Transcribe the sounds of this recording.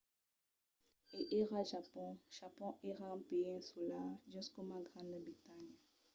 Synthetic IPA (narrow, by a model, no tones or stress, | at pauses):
eʔeʁaʒapɔ̃ʒ̥apɔ̃ʔeʁãpẽɛ̃sulaʒyskomaɡʁãnəbʁit̪aɲ